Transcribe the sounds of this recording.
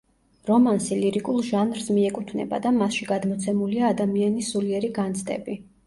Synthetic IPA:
ɾɔmansiliɾikʼulˠʒanɾsmiɛkʼut̪ʰnɛ̰ba̰d̪amasʃiɡad̪mɔt̪sʰɛmuliaːd̪amianiszuliɛɾiɡant̪sʰʼd̪ʼɛ̰bi

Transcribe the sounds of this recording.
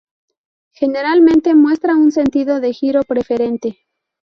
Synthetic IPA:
xe̞ne̞ɾalmẽnt̪e̞mwe̞st̪ɾaunse̞nt̪iðo̞ðe̞xiɾo̞pɾe̞fe̞ɾe̞nt̪e̞

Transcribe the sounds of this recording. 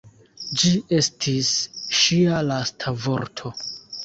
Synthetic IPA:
d͡ʒie̞stʰisʃialastʰavo̞ɾtʰo̞

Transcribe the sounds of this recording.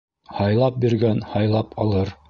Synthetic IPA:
hɑjlˠɑp̚biɾɡænhɑjlˠɑpʰɑlˠɤɾ

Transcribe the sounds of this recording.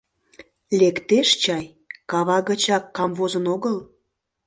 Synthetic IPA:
lekt̪eʃt͡ɕɑj | kɑβɑɣət͡ɕɑkːɑmvozənoɣəl

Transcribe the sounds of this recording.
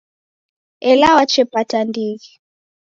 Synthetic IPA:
ɛlawat͡ʃɛpatandiɣi

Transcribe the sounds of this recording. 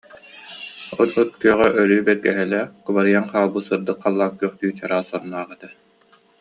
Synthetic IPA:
ɔnɯt̪̚kyœʁœʔœɾyːbɛɾɡɛɦɛlɛkubaɾɯjaŋqaːlˠbuːsɯɾd̪ɯqʰːalˠːaːk̚kyːχt̪yːt͡ɕaɾaːsɔɾnaːʁɛt̪a

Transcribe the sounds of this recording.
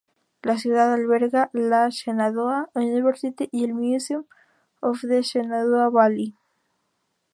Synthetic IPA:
las̬juðaðalβeɾɣalaʃenaðoauuniβeɾsit̪iʔielmisjum | ofðeʃenaðoaβali

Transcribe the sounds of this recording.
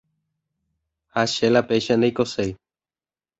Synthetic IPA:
haʃelapeʃãnd̪eijkosej

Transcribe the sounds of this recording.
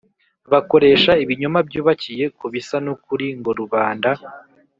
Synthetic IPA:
βako̞ɾe̞ːʃaiβiɲomabjuːβacije̞kuβisanokuɾiŋɡo̞ɾuβaːnda

